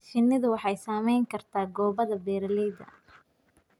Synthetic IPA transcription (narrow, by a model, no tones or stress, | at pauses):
ʃɪnːɪðʊwɑħɑjsaːmɛjŋkʰɐrt̪ʰaːɡɔːβɐðɐbɛːɾliðɐ̰